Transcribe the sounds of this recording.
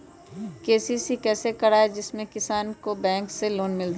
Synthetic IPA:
keːsisikɛːsekɐɽaːed͡ʒɪsmẽkɪsaːnkobɛ̃ːŋkseloːnmɪld̪

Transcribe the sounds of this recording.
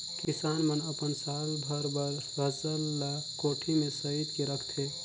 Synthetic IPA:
kisanmənəpənsalbʱəɾbəɾ | ɦət͡ʃəlːa | koʈʰimesəɦit̪keɾəkʰt̪ʰe

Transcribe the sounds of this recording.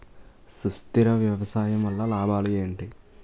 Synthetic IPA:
sust̪iɾɐʋjɐʋɐsaːjɐmʋɐlːalaːbaːlije̞ːɳʈi

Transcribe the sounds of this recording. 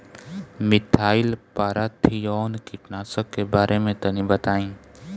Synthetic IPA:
mɪt̪ʰaːɪlpaːɾat̪ʰijɔːnkɪʈnaːsəkːebaːɾʔemẽt̪ɐnĩbət̪aːĩː

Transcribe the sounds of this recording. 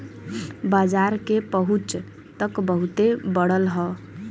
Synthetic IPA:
bad͡ʒaɾkepəɦut͡ʃ | t̪əkbəɦut̪ebəɽəlɦɔ

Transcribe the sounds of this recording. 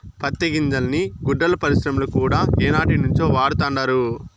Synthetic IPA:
pɐt̪ːɐɡiɲd͡ʒɐlniɡuɖːɐlɐpɐɾisɾɐmulɐkuːɽaːeːnaːʈinuɲt͡ʃo̞ːʋaːɽut̪aːɳɖaːɾu

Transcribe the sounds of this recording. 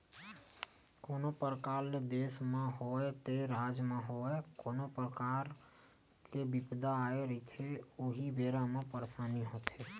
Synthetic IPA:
koːnopəɾəkaːld̪eːsmẽɦoet̪eɾaːd͡ʒmẽɦoɛkoːnopɾəkaːɾ | kebɪpd̪aːeɾəit̪ʰeoɦibeːɾamẽpəɾsaːniɦoːt̪ɦeː

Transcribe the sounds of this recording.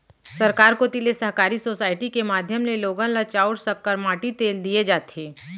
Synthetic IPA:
sɐɾkaːɾkot̪ilesɐɦkaːɾisoːsaːɪʈikemaːd̪ʱjəmleloːɡãlat͡ʃaːʊʈsɐkːəɾmãːʈit̪eːld̪ied͡ʒaːt̪ʰeː

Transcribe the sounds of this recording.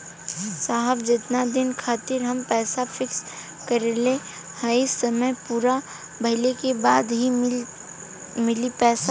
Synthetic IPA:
saːɦəbd͡ʒɪt̪nad̪ɪnkʰaːt̪ɪɾɦɐmpɛːsafɪks | kɐɾele | haɪsːɐməjpuːɾa | bʱɐɦɪlekebaːd̪ɦi | mɪlipɛːsa

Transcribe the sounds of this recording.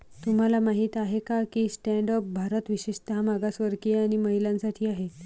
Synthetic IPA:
t̪um̤alamaɦiːt̪aɦekakiːsʈɛ̃ɳɖɔp̚bʱaɾət̪ʋiɕiʂt̪ɦamaɡasʋəɾkeaɽ̃iməɦiljãnsaʈʰiːaɦe

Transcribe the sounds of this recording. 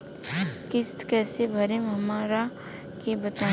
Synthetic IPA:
kɪst̪kɛːsebʱɐɾemɦɐmaːɾa | kebət̪a

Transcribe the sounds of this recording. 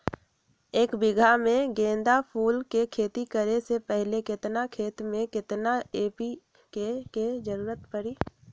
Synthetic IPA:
eːkbɪɡʱamẽɡẽːnd̪apʰuːlkekʰeːt̪ikəɾesepɛɦlekɪt̪nakʰeːt̪mẽkɪt̪naeːpi | keked͡ʒəɾuːɾət̪pəɾiː

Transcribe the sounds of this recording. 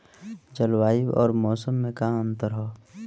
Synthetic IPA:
d͡ʒəlwaːiwɔ̰ːɾmɔːsəmːẽkaə̃nt̪əɾɦoː

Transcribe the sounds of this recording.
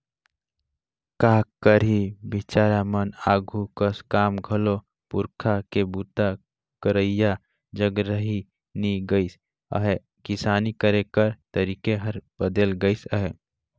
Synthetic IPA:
kakəɾibit͡ʃaɾamənaɡʱukəskaːmɡʱəlo | puɾkʰakebut̪a | kəɾəja | d͡ʒəɡɾəɦi | niɡəɪs | ə̰ɦe | kisaːnikəɾekəɾt̪əɾikeɦəɾbəd̪elɡəɪsəɦɛ

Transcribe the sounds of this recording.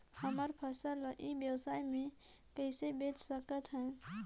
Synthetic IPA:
həməɾpʰəsəlʔibjəwsaːimẽ | kəːsebeːt͡ʃsəkət̪ɦɛ̃ː

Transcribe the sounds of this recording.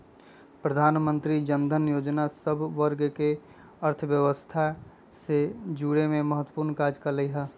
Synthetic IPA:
pɾəd̪ʱaːnmə̃nt̪ɾid͡ʒə̃nd̪ʱənjoːd͡ʒnasəbʱʋəɾɡke | əɾt̪ʰʋjəʋəst̪ʰa | sed͡ʒuːɽemẽməɦət̪wə̥puːɾnkaːd͡ʒkaləiɦaː

